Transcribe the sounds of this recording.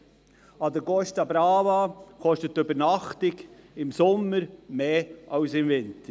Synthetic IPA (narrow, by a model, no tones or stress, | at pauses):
ɑd̪əɡɔstɑbɾɑːvɑkɔʃtətːøbəɾnɑχtɪɡɪmsɔmːəɾmeːʔɑʊsɪmvɪntə